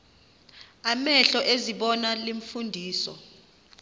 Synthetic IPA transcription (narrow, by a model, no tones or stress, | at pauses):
amɛɬɔʔeziɓɔnaliɱfundʱiːsɔ̰